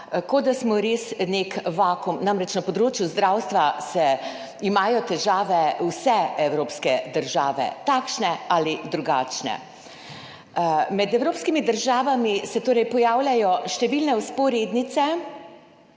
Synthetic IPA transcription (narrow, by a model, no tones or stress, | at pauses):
kɔd̪asmɔɾeːsnekʋaːkumnamɾɛt͡ʃnapɔd̪ɾoːt͡ʃjuzd̪ɾawst̪ʋasɛ | imaːjɔt̪ɛʒaːʋɛwsɛɛwɾoːpskɛd̪əɾʒaːʋɛ̰t̪aːkʃnɛalid̪ɾuɡaːt͡ʃnɛ̰ | mɛd̪ɛwɾoːpskimid̪əɾʒaːʋamisɛt̪oːɾɛjpɔjaːwlʲjajɔʃt̪ɛʋiːlnɛuspɔɾeːd̪nit̪sɛ